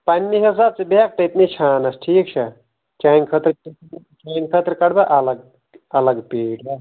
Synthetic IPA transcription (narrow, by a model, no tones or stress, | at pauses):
pɐnʲːiɦɐs̬aːb̚sɐbeak̚t̪ɐit̪nit͡ʃʰaːnɐsʈʰiːk̚t͡ʃʰɐ | t͡ʃankʰɐt̪ɾi | t͡ʃankʰət̪ɾkɐɽbɐʔɐlɐɡ̚ | ɐləɡpeːʈɐ